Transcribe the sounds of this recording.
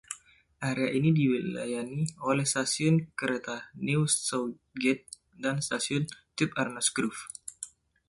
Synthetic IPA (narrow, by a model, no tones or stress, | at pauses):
ʔaɾeaʔinidiwila̰janiolɛhst̪asiʊnkəɾet̪aniussow | ɡɛt̪̚ | danst̪asiʊnt̪ɪp̚arnɔsɡɾuf